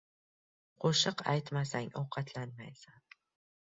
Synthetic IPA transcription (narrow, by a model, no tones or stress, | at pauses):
qʰoʃɨqa̰jt̪masaŋawqʰɑt̪ʰlanmajsan